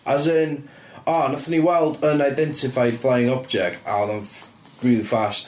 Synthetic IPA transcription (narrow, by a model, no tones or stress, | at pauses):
azən | ɔnaθəniwɛlˠdənajdɛntʰɪfajd̥flˠajɪŋɔb̚d͡ʒɛk̚ta̰ɔnən | ɡ̥ɹiːðfast